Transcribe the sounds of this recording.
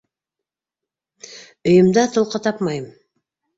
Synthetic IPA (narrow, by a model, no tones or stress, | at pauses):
ɵjə̆md̪ɑt̪ʰŏlˠqət̪ʰɑpmɑjm